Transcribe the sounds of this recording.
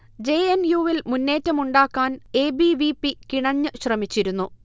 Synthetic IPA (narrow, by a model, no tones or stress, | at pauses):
d͡ʑe̞ːenjuːʋilmunːe̞ːtːɐmuɳɖaːkːaːne̞ːbiʋipːikiɳɐɲːɨɕrɐmit͡ɕːiɾunːu